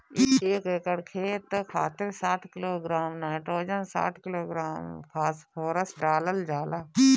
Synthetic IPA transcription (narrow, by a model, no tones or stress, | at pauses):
ɪeːkekəɽkʰeːt̪kʰaːt̪ɪɾsaːʈ̪ʰkɪloːɡɾaːmnaːɪʈɾoːd͡ʒənsa̰ːʈ̪ʰkɪloːɡɾaːmkʰaːspʰoːɾəsɖaːləld͡ʒaːlaː